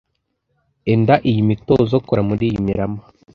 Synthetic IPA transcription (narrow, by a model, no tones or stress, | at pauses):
endaʔijimitozokoɾamuɾiːjimiɾama